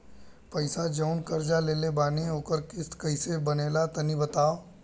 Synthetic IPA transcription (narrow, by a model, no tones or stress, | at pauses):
pɐɪsad͡ʒɐʊnkɐɾd͡ʒaleːlebaːneɦoːkəɾkɪskɐɪsebɐneːlat̪ɐnibɐt̪aːo